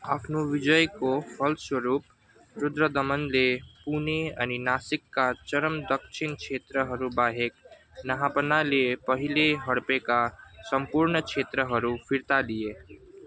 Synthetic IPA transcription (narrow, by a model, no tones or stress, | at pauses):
əpʰnoʋid͡ʒəjkopʰəlswəɾup | ɾʊd̪ɾəd̪əmənlepuneəninasikːat͡ʃəɾəmd̪əkt͡ʃʰinkt͡ʃʰet̪ɾəɦəɾubaɦek | nəɦapənalepəɦileɦəɽpekasəmpuɾnət͡ʃʰet̪ɾəɦəɾupʰiɾt̪alije